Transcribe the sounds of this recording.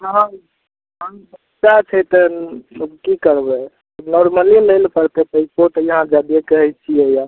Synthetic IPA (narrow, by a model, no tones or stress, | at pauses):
ɦã | abə | t͡ʃat͡ʃʰɛt̪ɔ | kikəɾbɛ | nɔɾməliləjlpəɾt̪ʰɛt̪əipoɾʈjəɦãd͡ʒad̪iekəɦɛt͡ʃʰiɛja